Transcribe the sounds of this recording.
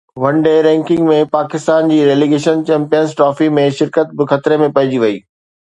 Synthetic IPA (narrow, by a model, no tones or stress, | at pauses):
ʋɐ̃ɳɖeɾɛ̃ːŋkɪ̃ŋɡmẽpaːkɪst̪aːnd͡ʑiːɾeːliɡeːʃənt͡ɕɛ̃ːmpijənzʈɾɔːfimẽʃɪɾkət̪̚bɪxɐt̪ɾemẽpɐɦɪ̃d͡ʑiʋɐiː